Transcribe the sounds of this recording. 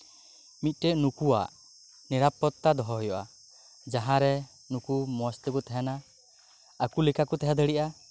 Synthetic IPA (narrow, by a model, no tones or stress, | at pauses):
mit̪̚ˀʈɛʔnukuwa̰ʔ | niɾapɔt̪ːad̪ɔɦɔɦɔjɔʔa | d͡ʒaɦãɾɛ | nukumɔst̪ɔkut̪ʰɛɦɛnaː | kulikakut̪ɛɦad̪əɽiʔa